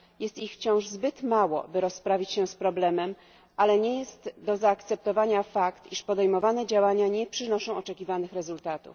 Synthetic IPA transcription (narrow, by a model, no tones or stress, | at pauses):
jɛst̪ixft͡ɕɔ̃w̃ʐzbɘt̪mawɔ̰bɘɾɔspɾavʲit͡ɕɕɛspɾɔblɛmɛm | ʔalɛɲɛjɛst̪d̪ɔzaːkt̪sɛp̚t̪ɔvaɲafakt̪iʂpɔd̪ɛjmɔvanɛd͡ʑawaɲaɲɛpʂɘnɔʂɔ̃w̃ɔt͡ʂɛkʲivanɘxɾɛzult̪at̪ṵf